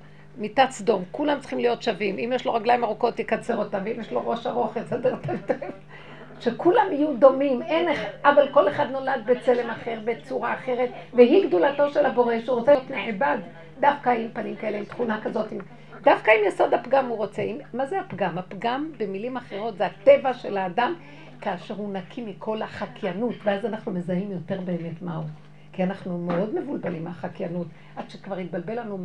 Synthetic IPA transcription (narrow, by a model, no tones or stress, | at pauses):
mit̪at͡sd̪o̞mkulamtt͡si̥χimlijo̞tʃavimimjɛʃlo̞ʁaɡlajimaʁoko̞t̪jekat͡seʁotamveimjeʃlo̞ʁo̞ʃaʁo̞χet͡sadeʁt̪avteef | ʃekulamijud̪o̞mimeneχʔavalko̞le̞χad̪no̞lad̪bet͡sele̞maχe̞ʁbe̞t͡suʁaːχeʁet̪veɦiɡd̪ulato̞ʃelabo̞ʁeʃeuʁot͡setmeʕbad̪ː | afkaaimpanimkae̞leimt̪χunakazo̞tim | dafkaimjeso̞d̪apɡamhuʁo̞t͡seimːazeapɡamapɡambe̞milimaχe̞ʁo̞tzeatevaʃe̞laːdam | kaːʃe̞ʁhunakʰimikʰo̞laχakjanutveazanaχnume̞zaimjo̞te̞ʁbe̞ːme̞tmau | kianaχnumeo̞dme̞vulbalimaχakjanut | ʔad̥̪ʃekvaʁit̪̚balbe̞lanu